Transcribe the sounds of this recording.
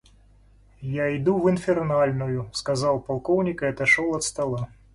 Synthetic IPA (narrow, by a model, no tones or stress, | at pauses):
jaid̪uwɨnfʲɛrnalʲnujuskazawpalˠkɔwnʲikɐɐt̪aʂɔlˠɐt̪st̪alˠa